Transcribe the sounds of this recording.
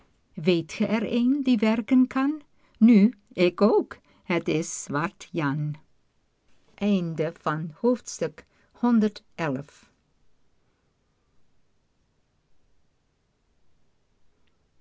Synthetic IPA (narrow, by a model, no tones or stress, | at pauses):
ʋejtxəʔɛɹeːndiʋɛɹkənkʰɑnː | yː | ɪkoːk | hətɪsʋɑɹtjɑn | ʔɛjndəv̥ɑnhoftstʏk | hɔndəɹtʔɛlf